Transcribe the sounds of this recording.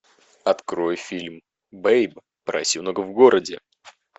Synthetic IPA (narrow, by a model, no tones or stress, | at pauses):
ɐt̪kɾo̞jfʲilʲm | bejb | pɾɐ̰sʲinoɡəvɡo̞ɾədʲɪ